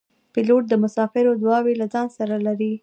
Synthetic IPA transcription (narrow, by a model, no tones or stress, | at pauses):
piloʈ̚d̪əmʊsɑfɪɾod̪wɑwelad͡zɑnsaɾalaɾi